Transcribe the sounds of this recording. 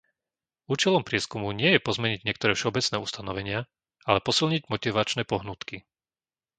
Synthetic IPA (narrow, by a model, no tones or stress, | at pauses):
uːt͡ʃɛlɔmpɾɪɛskumuɲɪɛjɛpɔzmɛɲiɟɲɪɛk̚t̪ɔɾɛːfʃɛɔbɛt͡snɛːust̪anɔʋɛɲɪa | alɛpɔsilɲiɟmɔt̪iʋat͡ʃnɛːpɔɦnut̪ki